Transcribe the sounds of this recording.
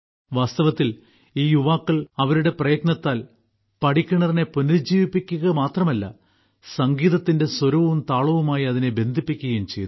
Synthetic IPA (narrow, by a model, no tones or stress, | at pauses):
ʋaːst̪ɐʋɐt̪ːil | iːjuʋaːkːɐɭɐʋɐɾuɽe̞prɐjɐt̪̚nɐt̪ːaːl | pɐʈikʲːuɳɐrine̞puniɾd͡ʑiːʋipːikʲːuɣɐmaːt̪rɐmɐlːɐ̰ | sɐŋɡiːðɐt̪ːinde̞swɐɾuʋumt̪aːɭɐʋumaːjiɐðine̞be̞nd̪ʱipːikʲːuɣɐjumt͡ɕe̞jt̪